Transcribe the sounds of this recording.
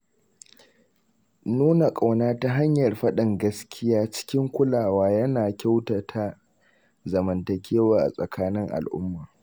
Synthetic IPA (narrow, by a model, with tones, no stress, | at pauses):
nuː˦na˨kʼa˨wnaː˦ta˦ɦa˦ɲjɐ˨rɸɐ˦ɗɪ˨ŋɡɐ˦skʲʰɪ˦jaː˦t͡ʃɪ̥˦kʲɪ˦ŋkʷʊ˦laː˨waː˦jɐ˦naː˨kʲa˦wta˨tʰa˦ | zɐ˨mɐ˨ntɐ˨kʲʰeː˦waː˦ʔa̰˨sʼɐ˨kʰaː˦nɪ˦ŋʔa̰˨lʔʊ̰˦mːaː˨